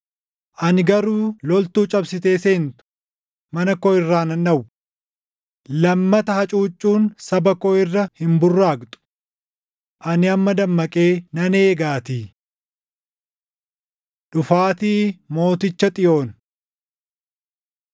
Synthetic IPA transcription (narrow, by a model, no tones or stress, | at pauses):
ʔɐnɪɡɐɾuːlɔlt̪uːt͡ʃʼɐbsɪt̪e̞ːseːnt̪ʊ̥ | mɐnɐkɔɪrːaːnɐnᶑɐwʊ | lɐmːɐt̪ɐhɐt͡ʃʼuːt͡ʃʼːuːnsɐbɐkɔɪrːɐhɪmbʊrːaːɡt̪ʼʊ̥ | ʔɐnɪɐmːɐd̪ɐmːɐkʼeːnɐneːɡaːt̪iː | ᶑʊfaːt̪iːmo̞ːt̪ɪt͡ʃːɐt̪ʼɪjo̞ːn